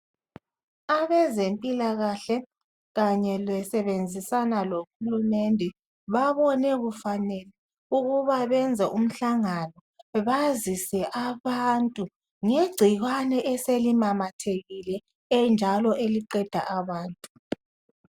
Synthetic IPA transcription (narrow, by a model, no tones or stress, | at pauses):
aβɛzempʼilaɣaɬɛ | ɣaɲɛlwɛsɛβend͡zʱisanaloxulumɛndʱɛ | βaβɔnɛɣufanɛlɛ | uɣuβaβɛnd͡zʱɛʔum̩ɬaŋanɔ | βazisɛʔaβantʼu | ŋeɡ͡ǀʱiɣwanɛʔɛselimamatʰeɣilɛ | ɛnd͡ʒʱalɔʔeliǃɛd̥ʱa̰ʔaβaːntʼu